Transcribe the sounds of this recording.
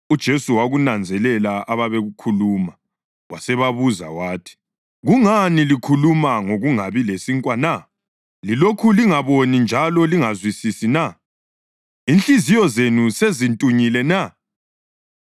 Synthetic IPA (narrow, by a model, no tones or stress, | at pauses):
ud̥ʒ̥ʱesuwaɣunand͡zʱɛlɛlaʔaβaβeɣukʰuluma | wasɛβaβuza̰waːtʰi̥ | ɣuŋanilikʰulumaŋoɣuŋaβilesiŋkʼwana | lilokʰuliŋaβonind͡ʒʱalɔliŋazwisisina | inɬʼizijɔzenusezintʼuɲilɛna